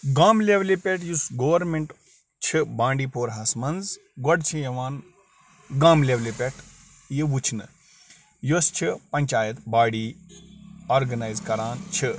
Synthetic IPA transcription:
ɡaːmleʋlipʲeʈjusɡoʋɐɾmeɳʈ | t͡ʃʰibaːɳɖiːpoːɾɦaːsmɐnz | ɡɔɖt͡ʃʰijɐʋaːn | ɡaːmleʋlepʲeʈʰ | jiʋut͡ʃʰnɨ̰ | jost͡ʃʰipɐɲʲt͡ʃaːjɐt̪baːɽiː | oːɾɡɐnaːjzkɐɾaːnt͡ʃʰi

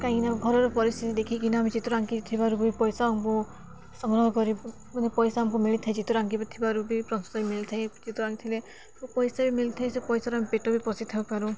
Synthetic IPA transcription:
kaɦĩnamɡʱɔɾɔɾɔpɔɾist̪it̪id̪ekʰikinɔamid͡ʒit̪uɾaŋkit̪ʰibaɾubuipɔjsaɔmku | sɔŋɡɾɔɦɔkɔɾi | mɔnepɔjsaamkumiɭit̪ʰaĩd͡ʒit̪uɾaŋkibat̪ʰibaɾubipɾɔst̪ɔbimilit̪ʰaĩd͡ʒit̪uɾaŋɡit̪ʰile | upɔjsabimilit̪ʰaj̃sepɔjsaɾuamipeʈɔbipɔsit̪ʰabpaɾu

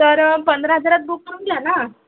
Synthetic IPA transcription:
t̪əɾpənd̪ɾəɦəd͡zaɾat̪̚buk̚məɾuːnɡ̪jana

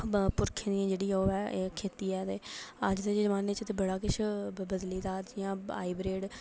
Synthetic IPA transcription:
pʊɾkʰẽːd̪iãːd͡ʒeːɽiːoːɛːkʰeːt̪iːɛːt̪eːəd͡ʒd̪eːd͡ʒd͡ʒəmaːnet͡ʃt̪eːbəɽaːkɪʃʰbəd̪liːd̪aːt̪jãːa̰ːiːbɾeːɖ

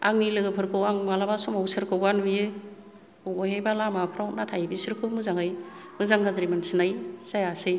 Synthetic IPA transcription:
aŋnilɯɡɯpʰɯɾkʰɯwaŋmalabasɔmawsɯɾkʰɯwɡanbije | ɔwbɔjɦajbalamapʰɾawt̚natʰajbisɯɾkʰɯmɯzaŋaj | mɯzaŋɡazɾimansinajsajasɯj

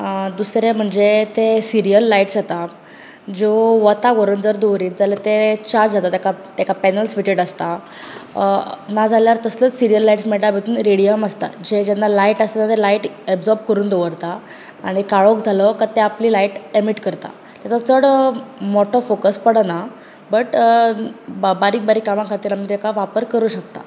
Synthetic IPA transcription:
d̪usɾem̤əɳd͡zet̪esiɾijəlːaiʈsd͡zat̪a | d͡zoʋət̪aɡoɾənd͡zəɾd̪oʋɾiːt̪̚d͡zalət̪et͡ɕaɾd͡ʑd͡zat̪at̪akat̪ekapɛnəlsfiʈeɽəst̪a | nad͡zaljaɾt̪əslət͡ssiɾijəlːaiʈsmeɭlabʱet̪uːnɾeɽijəməst̪a̰d͡ʑed͡ʑanːalaiʈəst̪anat̪elaiʈebd͡zɔɾb̚kəɾuːnd̪oʋəɾt̪aː | ɽ̃ikaɭokd͡zʱalɔkat̪eapliːlaiʈemiʈkəɾt̪a̰ | t̪jat͡sat͡səɽmɔʈofokəspəɽəna | bəʈ | baɾiːk̚baɾiːkamãkʰat̪iːɾamiːt̪ekaʋapəɾkəɾuːɕək̚t̪a̰

